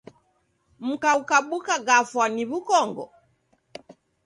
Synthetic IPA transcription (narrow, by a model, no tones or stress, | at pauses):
m̩kaukaɓukaɡafwaniβukɔŋɡɔ̰